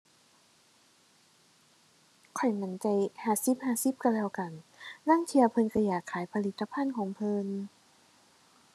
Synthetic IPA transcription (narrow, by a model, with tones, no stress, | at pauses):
kʰɔ˨˩jma˩˦nt͡ɕa˧jhaː˧˩si˧˦p̚haː˧˩si˧˦p̚ka˧˩lɛː˧wka˨˩nlaː˥˨ŋt̪ʰi˧ɐ˧wpʰɤ˧nkʰa˧˩jaː˨˩kʰːaː˨˩˦jpʰa˧li˧˥t̪ʰːa˧pʰa˧˥˨nkʰɔː˨˩˦ŋpʰɤ˧n